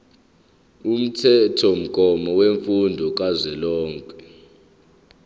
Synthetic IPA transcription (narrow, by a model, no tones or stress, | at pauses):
um̩tʰɛtʰɔm̩kʼɔmɔweɱfundʱɔk̬ʼazɛlɔːŋkʼɛ